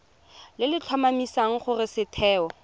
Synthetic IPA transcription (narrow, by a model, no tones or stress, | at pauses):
lɪlɪt͡ɬʰwamamisaŋ̩χʊrɪsɪtʰɛːɔ